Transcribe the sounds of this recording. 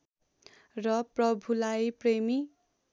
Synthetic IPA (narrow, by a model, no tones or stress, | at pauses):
rʌprʌbʱulajpremi